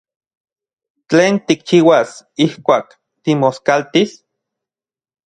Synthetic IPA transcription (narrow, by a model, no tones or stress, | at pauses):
t͡ɬeːnt̪ik̚t͡ʃiːwasihkʷaːk | t̪imoskalt̪is